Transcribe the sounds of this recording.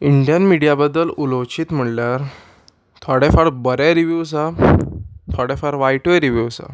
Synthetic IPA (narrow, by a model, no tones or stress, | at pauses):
iɳɖijənmiɽijabəd̪ːəlulowt͡ɕiːt̪m̤əɽljaɾ | t̪ʰɔɽɛfaɽbəɾjaɾiʋjus̬a | t̪ʰɔɽefaɽʋajʈoɾiʋjuwsa̰